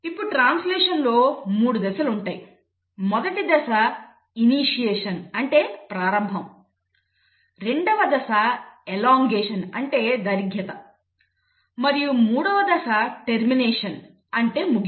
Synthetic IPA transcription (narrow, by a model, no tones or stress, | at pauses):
ipːuɽʈɾaːnslɛːʂɐnlo̞ːmuːɽud̪ɛsɐluɳʈaːji | mɔd̪ɐʈid̪ɐsɐ | iniːʂijeːʂɐnɐɳʈe̞ːpɾaːɾɐmbʱɐm | ɾe̞ɳɖɐʋɐd̪ɐsɐelaːŋɡeːʂɐnɐɳʈe̞ːd̪ɐɾiɡʱjɐt̪ɐ | mɐɾijumuːɽɐʋɐd̪ɛsɐʈeɾmineːʂɐn | ɐɳʈe̞ːmuɡ